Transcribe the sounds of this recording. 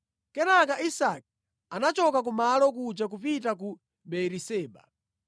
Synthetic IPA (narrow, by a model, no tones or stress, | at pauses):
kɛnak̬aʔisak̚ | anat͡ʃɔkak̬umalɔk̬ud͡ʒak̬upitak̬u | ɓɛɾisɛːɓa̰